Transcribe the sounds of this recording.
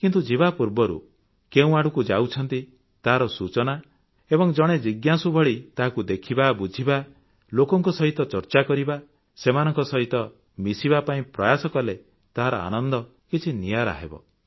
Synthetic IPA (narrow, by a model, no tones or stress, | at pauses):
kint̪ud͡ʒiβapuɾbɔɾṵ | keũaɽukud͡ʒawt͡ʃʰɔnt̪i | t̪aɦaɾɔsut͡ʃɔna | ebɔŋd͡ʒɔɽ̃ed͡ʒiɡjasubʱɔɭit̪aɦakud̪ekʰibabud͡ʒʱiba | lokɔŋkɔsɔɦit̪ɔt͡ʃɔɾt͡ʃakɔɾiba | semanɔ̃ŋkɔsɔɦit̪ɔ | misibapaĩpɾɔjasɔkɔle | t̪aɦaɾɔ̰a̰nɔnd̪ɔ | kit͡ʃʰinijaɾa̰ɦḛbɔ̰